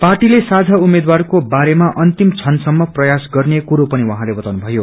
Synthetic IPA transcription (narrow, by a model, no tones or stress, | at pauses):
parʈilesad͡zʱaumed̪warkobaɾemaʔʌnt̪imt͡sʰʌnsʌmːʌprʌjasɡʌrnekuɾopʌniwaɦãlebʌt̪awnubʱʌjo